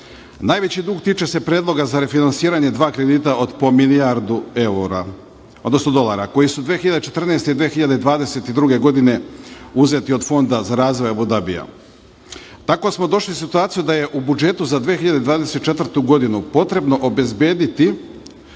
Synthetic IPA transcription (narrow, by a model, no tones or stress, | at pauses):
naːjʋe̞t͡ɕid̪uːɡ̚t̪iːt͡ʃe̞se̞pɾe̞ːd̪lˠo̞ɡazaɾe̞finansiːɾaɲe̞d̪ʋaːkɾed̪iːt̪aʔod̪pomiliaɾd̪ueuɾa | od̪nosno̞d̪o̞lˠaɾako̞jisud̪ʋeːxiʎad̪et͡ʃe̞t̪r̩nest̪ed̪ʋeːxiʎad̪eid̪ʋaːd̪e̞se̞t̪id̪ɾuɡe̞ɡo̞d̪ine̞uze̞t̪io̞d̪fo̞nd̪azaɾaːzʋo̞jabud̪abḭja̰ | t̪ako̞smo̞d̪o̞ʃlisit̪uaːt̪sijud̪aje̞ʔubud͡ʒe̞t̪uzad̪ʋexiʎad̪ed̪ʋaːd̪e̞se̞t̪̚t͡ʃe̞t̪vrt̪uɡo̞d̪inupo̞t̪ɾe̞bno̞ʔobe̞zbje̞ːd̪it̪i